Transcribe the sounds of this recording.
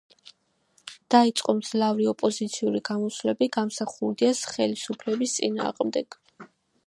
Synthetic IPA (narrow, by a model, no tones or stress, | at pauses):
d̪̥ait̪sʼqʼɔmz̥lavɾiɔpʼɔzit̪sʰiuɾiɡamɔslɛbiɡamsaχuld̪iasχɛlisupʰlɛbist̪sʼḭna̰ːʁmd̪ɛɡ̥